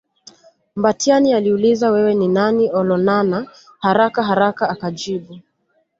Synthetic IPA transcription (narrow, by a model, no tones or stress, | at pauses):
mbatianialiulizawɛwɛninaniɔlɔnana | haɾakaɦaɾakaːkad͡ʒiɓu